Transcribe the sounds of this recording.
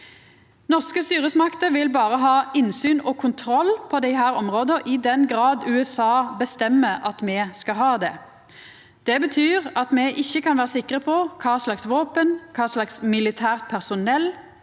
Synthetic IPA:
nɔʁskəst̪yːʁəsmɑkt̪əʋɪlbɑːʁəɦɑːɪnsyːnɔːkʰʊnt̪ʰɾɔlːpʰɔd̪ɛɪɦæːʁɔmʁoːd̪əʔɪd̪ɛnɡʁɑːd̪ʉːɛsɑːbəst̪ɛmːəɑt̪mɛskɑɦɑːd̪ɛ̰ | d̪̥ɛbət̪ʰyːʁɑt̪mɛʔɪçːəkʰɑnʋæːʁəsɪkʁəpʰɔkʰɑːslɑksʋoːpənkʰɑːslɑksmɪlɪt̪ʰæːʁt̪̚pʰæʁsʊnɛlː

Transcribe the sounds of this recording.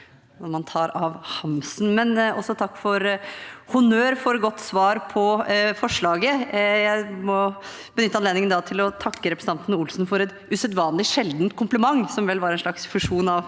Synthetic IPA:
nɔɾmɑnt̪ʰɑːɾɑʋhɑmsnmɛnɔsːɔt̪ʰɑkːfɔɾhʊnøːɾfɔɾɡɔt̪ːsʋɑːɾpʰɔfɔʂɭɑːɡəjæɪmɔ | b̥ənʏt̪ːəɑneːd̪ɪŋənd̪ɑt̪ʰɪlɔt̪ʰɑkːəɾɛpɾsn̩ɑnt̪ənəʊlsn̩fɔɾɛt̪ | ʉsœd̪ʋɑːnlɪʂɛld̪nt̪kʰʊmpləmɑŋːsɔmʋɛlːʋɑɾɛnʂɭɑksfʉʂuːnɑʋ

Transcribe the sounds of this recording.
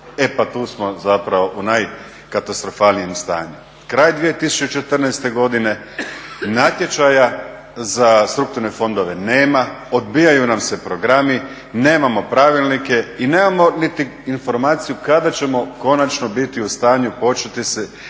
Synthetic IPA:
e̞pat̪uːsmo̞zapɾaʋo̞ʔunaj | kat̪ast̪ɾo̞falnije̞mst̪a̰ːɲu | kɾaːjd̪ʋijet̪isu̥t͡ʃut͡ʃet̪rnɛjst̪e̞ɡo̞d̪ine̞ | nat̪je̞t͡ʃaja | zast̪ɾuk̚t̪uɾnefo̞nd̪o̞ʋe̞ne̞ːmao̞d̪biːjajunamse̞pɾo̞ɡɾami | ne̞ːmamo̞pɾaʋilˠnike̞ine̞ːmamo̞nit̪iinfo̞ɾmaːt̪sijukad̪at͡ɕe̞mo̞ko̞nat͡ʃno̞bit̪iust̪aːɲupo̞t͡ʃet̪ise

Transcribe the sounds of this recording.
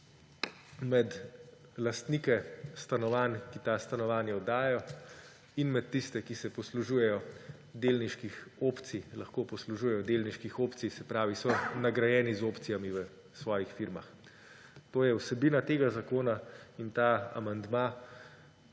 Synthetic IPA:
mɛd̪ | last̪niːkɛst̪anɔʋankit̪ast̪anɔʋaːnjaɔd̪aːjɛjɔ | inmɛt̪ːist̪ɛkisɛpɔsluʒuːjɛjɔ | d̪eːlniʃkixoːpt̪silɐxkoːpɔsluʒuːjɛjɔd̪elniʃkixoːpt̪sijsɛpɾaːʋisɔnaɡɾajɛːnizoːpt̪sijamiʋə | sʋɔːjixfiɾma̰x | t̪oːjɛwsɛbiːnat̪eːɡazakoːnaint̪aa̰mand̪ma

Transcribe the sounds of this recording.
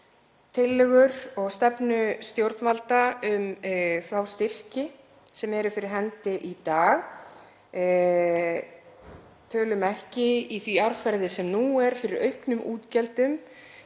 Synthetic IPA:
t̪ʰɪlːɪɣʏɾɔɣst̪ɛpnʏst̪jowɾt̪nvalt̪aʏmfɾawst̪ɪr̥cɪ | sɛmɛɾʏfɪɾɪɾɦɛnt̪ɪʔit̪aːɣ | t̪ʰœːlʏmɛhcɪiθviaɾfɛɾðɪsɛmnuɛɾ̥fɪɾɪɾœɥhknʏmʔuːt̪cɛlt̪ʏm

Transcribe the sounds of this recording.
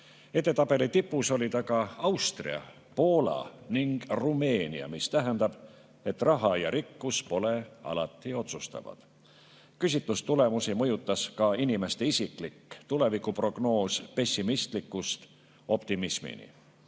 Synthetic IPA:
e̞t̪ˑːe̞t̪ɑb̥e̞lit̪ipːuso̞lʲid̪ɑkɑɑwst̪rḭɑ̰ | po̞ːlɑ̰niŋɡ̥rume̞ːniɑ̰mist̪æɦænd̪̥ɑb̥ | e̞t̪ːrɑɦɑjɑɾikːuspo̞le̞ɑ̰lɑt̪ːˑio̞t̪sust̪ɑ̰vɑ̰d̪̥ | kysit̪lust̪ule̞musimɤjut̪ːˑɑskɑinime̞st̪eisikˑlikːt̪ule̞vikupro̞ɡ̥no̞ːspe̞sʲːimist̪likːˑust̪ | o̞pt̪imismḭnḭ

